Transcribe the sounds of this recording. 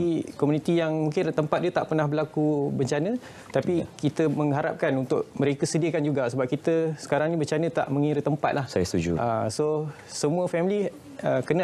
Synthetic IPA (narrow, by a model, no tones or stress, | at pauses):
ikɔmunit̪ijaŋmũŋkɪnt̪əmpat̪̚dət̪aʔpərnahbəɾlakubəɲt͡ʃanə̃ | t̪apikit̪əmə̃ŋɦaɾa̰p̚kanunt̪ʊʔ̚məɾekəsədiəkand͡ʒuɡasəbap̚kit̪əsə̥kaɾaŋnĩbəɲt͡ʃanə̃t̪a̰ʔmə̃ŋiɾət̪əmpat̪̚lahsa̰jəst̪ud͡ʒṵʔaso | səmũəfɛmili | əkənə